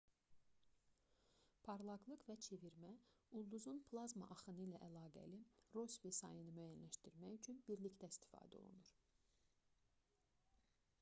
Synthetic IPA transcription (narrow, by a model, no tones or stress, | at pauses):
pʰɑɾlˠɑɡlˠɯqvæt͡ʃʰe̞viɾmæulˠd̪uzunpʰlˠɑzma̰ʔɑχɯnɯlæʔælˠɑːɡæ̰liɾo̞svisɑ̰jɯnɯmæjænlæʃt̪iɾmæjyt͡ʃʰynbiɾlict̪æist̪i̥fɑ̰ːd̪æo̰lˠṵnuɾ